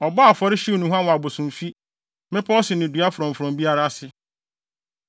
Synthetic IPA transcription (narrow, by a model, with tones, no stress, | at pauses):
ɔ˨bɔ˦a˨fɔ˦ɾɪ˦ɕu˦˨nʊ̃˨ɦã˦wa˨bo˨sũ˨mfi˦ | mɪ̃˦pʰɔ˦ɔ˦sɪ˨nɪ̃˨du˨˦a˦fɾɔ̃˨m˨fɾɔ̃˨mbi˦a˦ɾa˦sɪ˦